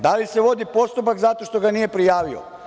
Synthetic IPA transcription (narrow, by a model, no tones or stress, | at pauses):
d̪alise̞ʋo̞d̪ipo̞st̪upakzat̪o̞ʃt̪o̞ɡanije̞pɾijaːʋio̰